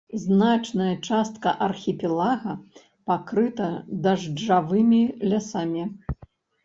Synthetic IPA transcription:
znat͡ʂnɐjɐt͡ʂast̪̚kɐʔɐrxʲipʲɛlˠaɣɐ | pakɾɨt̪ɐd̪ɐʐd͡ʐavɨmʲilʲasamʲi

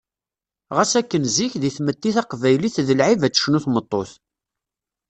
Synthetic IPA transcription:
ʁæsækːənziçðiθmət̪ːiθɑqvæjliθðəlʕivæt͡sːə̥ʃnuθmət̪ˤːoθ

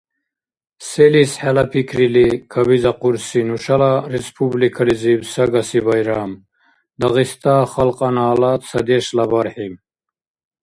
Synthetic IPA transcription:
selisħalɐpʰikʰɾilikʰɐbizɐquɾsinuʂɐlaɾispʰublikʰɐlizibsɐɡɐsibɐjɾaːm | d̪ɐɣist̪aχɐlqʼɑnaːlat̪sɐd̪eʃlɐbɐɾħim

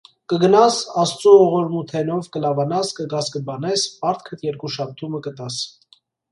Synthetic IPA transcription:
kəɡənɑsɑst͡suɔʁɔɾmut̪ʰɛnɔvkəlɑvɑnɑskəɡɑskəbɑnɛspɑɾt̪ʰkʰət̪ʰjɛɾkuʃɑp̚t̪ʰuməkət̪ɑs

